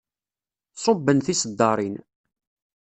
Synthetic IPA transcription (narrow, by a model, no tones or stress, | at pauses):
sˤobːənθisəd̪ːɑɾˤin